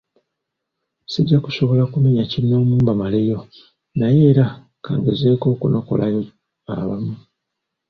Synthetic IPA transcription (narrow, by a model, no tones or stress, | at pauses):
siɟːaku̥so̞βo̞lakumeɲaciɾino̞ːmuːmbamale̞jo̞ | naje̞ːɾa | ka̰ːŋɡeze̞ːko̞ːkuno̞ko̞̰lʔajo | a̰βamu